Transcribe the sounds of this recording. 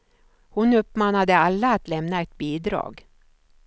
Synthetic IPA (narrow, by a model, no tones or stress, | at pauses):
hʊnɵpːmɑːnad̪əalːaːt̪lɛmnaɛt̪̚biːd̪ɾɑ̰ːɡ